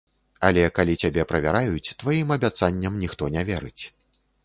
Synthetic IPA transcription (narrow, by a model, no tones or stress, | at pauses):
alʲɛkalʲit͡sʲabʲɛpɾɐvʲaɾajut͡sʲt̪vajimɐbʲat̪sanʲːɐmnʲixt̪ɔnʲɛvʲɛɾɨt͡sʲ